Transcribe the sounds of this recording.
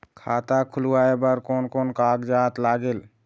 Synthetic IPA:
kʰat̪akʰuluaebəɾkonkonkaɡd͡ʒat̪laɡel

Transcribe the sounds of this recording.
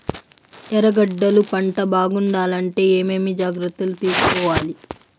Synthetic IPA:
t̪ɛɾɐɡɐɖːɐlupɐɳʈɐbaːɡuɳɖaːlɐɳʈe̞ːeːmeːmid͡ʒaːɡɾɐt̪ːulut̪iːskɔːʋaːli

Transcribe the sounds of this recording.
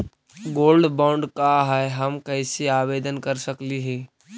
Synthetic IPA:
ɡoːlɖbãːʊ̃ɳɖkaɦɛɦɐmkɐɪseaːʋeːd̪ənkɐɾsɐkliɦɛː

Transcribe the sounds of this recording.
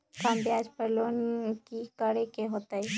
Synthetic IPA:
kambjaːd͡ʒpəɾloːnkikəɽekeɦoːt̪ai

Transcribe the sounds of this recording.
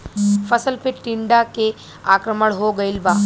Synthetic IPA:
fəsəlpeʈːiɳɖake | akɾəməɳɦoɡəilʋa

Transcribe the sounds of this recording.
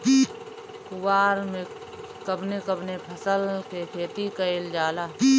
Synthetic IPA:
kiː | kʊwaːɾmẽ | kəbnekəbnepʰɐsəlkekʰeːt̪ikəeld͡ʒaːlaːiː

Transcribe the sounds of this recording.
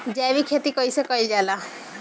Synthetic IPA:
d͡ʒaʋikʰet̪ikɔjsekɔid͡ʒala

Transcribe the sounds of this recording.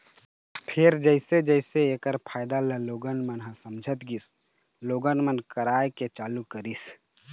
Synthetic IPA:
pʰɪɾd͡ʒəɪsed͡ʒəɪseekəɾpʰaːɪd̪aləloːɡənmənɦãsəmd͡ʒʱət̪ɡis | loːɡənmənkəɾaːjket͡ʃaːlukəɾis

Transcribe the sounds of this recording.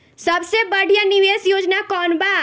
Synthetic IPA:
sɐbsebəɽ̤ʱijanɪʋeːsjoːd͡ʒnakɔːnbaː

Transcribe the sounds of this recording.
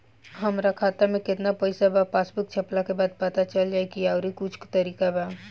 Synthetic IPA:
ɦɐmɾakʰaːt̪amẽkɪt̪napɐɪsabapaːsbɪk̚t͡ʃʰɐplakebaːd̪̚pɐt̪at͡ʃɐld͡ʒaːekiaʊɾikʊt͡ʃʰkt̪ɐɾiːkaba

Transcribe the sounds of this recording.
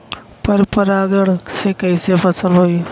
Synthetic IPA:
pəɾpəɾaːɡəɽ̃seːkəisepʰəsəlɦoiː

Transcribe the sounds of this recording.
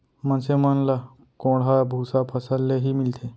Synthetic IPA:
mənsemənla | kõːɽɦabʱusapʰəsəlːeɦimɪlt̪ʰe

